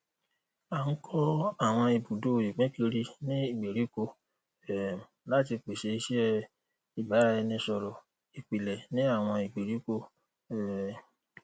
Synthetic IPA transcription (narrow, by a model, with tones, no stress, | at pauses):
a˨ŋ̩˦kʰɔ˦a˦˨w̃ɔ̃˧i˨bu˨do˦˨ji˨k͡pɛ̃˨˦ki˧ɾi˧nĩ˦i˦˨ɡ͡be˨ɾi˨˦ko˧ | ɛ˨la˦ti˧k͡pe˨ʃe˧i˧ʃɛ˦ | i˨ba˨˦ɾa˧˦ɛ˧nĩ˧˦sɔ˧ɾɔ˨ | i˨k͡pi˨lɛ˨nĩ˨˦a˦˨w̃ɔ̃˧i˨ɡ͡be˨ɾi˨˦ko˧˦˨